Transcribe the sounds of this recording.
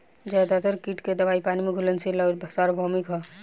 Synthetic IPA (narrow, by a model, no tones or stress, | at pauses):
d͡ʒaːd̪at̪əɾkiːʈked̪əbaːipaːnimeɡʱulənsiləɡɾb̪ʱɐsaːɾbʱɔmikɦɔ